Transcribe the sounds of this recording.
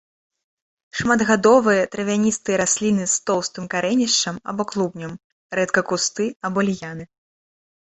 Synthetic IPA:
ʂmad̪ɣad̪ɔvɨjɐt̪ɾɐvʲanʲist̪ɨjɐɾasʲlʲinɨst̪ɔwst̪ɨmkaɾɛnʲiʂt͡ʂɐmɐ̰bɔklˠubnʲɐm | ɾɛt̪kɐkust̪ɨabɔlʲjanɨ

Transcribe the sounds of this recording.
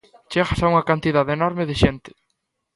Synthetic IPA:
t͡ʃeɣasauŋɐkant̪iðaðenɔɾmeðɪʃent̪ɪ̥

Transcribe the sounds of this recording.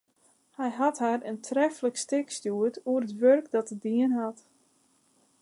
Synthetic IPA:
hɛjɦathaɾəntʰrɛfələkstɪkstjuətuərətʋørkdɔtədiənɦat

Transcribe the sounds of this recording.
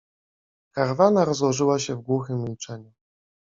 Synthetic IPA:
kaɾvanaɾɔzwɔʐɘwaɕɛvɡwuxɘmːʲilt͡ʂɛɲu

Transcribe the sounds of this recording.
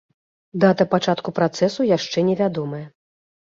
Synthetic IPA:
d̪at̪ɐpat͡ʂat̪kupɾat̪sɛsujaʂt͡ʂɛnʲɛvʲad̪ɔmɐjɐ

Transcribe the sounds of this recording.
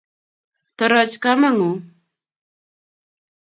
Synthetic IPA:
t̪əɾat͡ʃkamaŋʊ

